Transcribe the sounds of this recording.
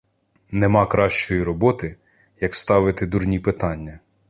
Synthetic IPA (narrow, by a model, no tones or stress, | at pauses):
nemɑkɾɑʃt͡ʃɔjiɾɔbɔt̪ɪ | jɐkst̪ɑʋɪt̪ɪd̪urnʲipɪt̪ɑnʲːɐ